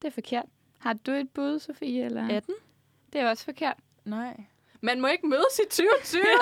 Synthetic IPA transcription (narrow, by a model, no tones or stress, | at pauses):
d̥e̝æɐfɒ̽kʰe̝ɐ̰d̥ | hɑ̈d̥ue̝d̥̚b̥uð̞ˠəso̝fḭːelɐæd̥n | d̥e̝æɐɒ̽sfɒ̽kʰe̝ɐ̰d̥ | naɪ̰ | mænmɒ̽e̝ɡ̥əmøːð̞ˠəsid̥t͡sʰyːʊt͡sʰyː